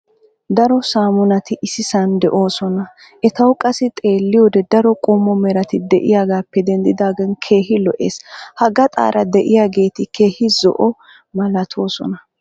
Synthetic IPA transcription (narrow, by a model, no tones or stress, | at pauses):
d̪ɐɾɔsaːmʊnɐt̪ɪʔɪsɪsɐnd̪ɛʔo̞ːsɔnɐ | ʔɛt̪ɐwkʼɐsɪt̪ʼe̞ːlːɪjɔːd̪ɛd̪ɐɾɔkʼɔmːɔmɛɾɐt̪ɪd̪ɛ̰ʔɪjaːɡaːpːɛd̪ɛnd̪ɪd̪aːɡɐnkʰe̞ːɦɪlɔʔḛːshɐɡɐt̪ʼa̰ːɾʔɐd̪ɛʔɪjaːɡe̞ːt̪ɪkʰe̞ːhɪzɔ̰ʔɔ | mɐlɐt̪ʰoːsɔ̰nɐ